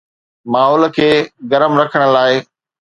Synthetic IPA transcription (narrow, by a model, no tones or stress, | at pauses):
maːɦɔːlkʰeːɡɐɾəmɾɐkʰəɽ̃ə̆laːɪ